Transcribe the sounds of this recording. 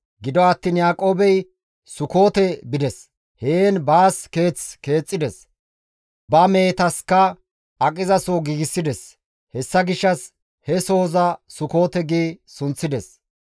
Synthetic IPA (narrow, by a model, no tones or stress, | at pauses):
ɡɪd̪ɔɐt̪ːiːnjaːkʼo̞ːbɛj | sʊko̞ːt̪ɛbɪd̪ɛs | heːnbaːske̞ːt͡ske̞ːt͡sʼːɪd̪ɛs | bɐme̞ːt̪ɐskːɐ | ʔɐkʼɪzɐsoɡiːɡɪsːɪd̪ɛs | hɛsːɐɡɪʃːɐs | hɛso̞ːzɐsʊko̞ːt̪ɛɡeːsʊnt͡sːɪd̪ɛs